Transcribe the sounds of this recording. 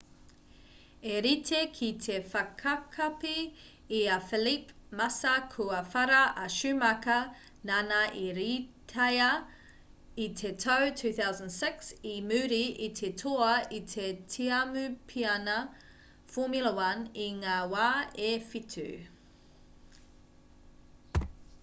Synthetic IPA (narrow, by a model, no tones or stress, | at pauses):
eɾitʰekʰitʰefɐkʰɐkʰɐpiː | ɐfilipmɐsɐkʰuɐfɐɾɐʔɐʃʉmɐkɐ | nanɐʔiɾitʰɐjɐ | itʰetʰowtʰʉːθawzə̃nsɪksimʉːɾiʔitʰetʰoɐitʰetʰiɐmʉpʰiɐnɐ | fomjulɐwɐniŋaːwaːefitʰʉ̰